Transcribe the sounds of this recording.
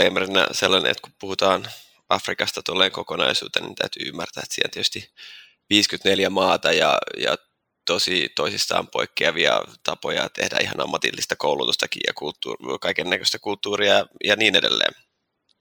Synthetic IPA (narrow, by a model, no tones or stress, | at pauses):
emrinæ̰selːɑnḛet̪kupuhut̪ɑːn | ɑfrikɑst̪ɑt̪uolːeːŋkokonɑisṵːt̪enḭnt̪æyt̪yːymːært̪æːet̪siːent̪iet̪y̥st̪i | ʋiːskyt̪neljæmɑːt̪ɑjɑjɑ̰ | t̪osit̪oisist̪ɑ̰ːmpoikːeɑʋiɑt̪ɑpojɑt̪ehdæ̰ihɑnɑmːɑt̪ilːist̪ɑkoulut̪ust̪ɑkḭjɑ̰kult̪ːuːkɑikenːækøst̪ækult̪ːuːriɑjɑniːnedelːḛːm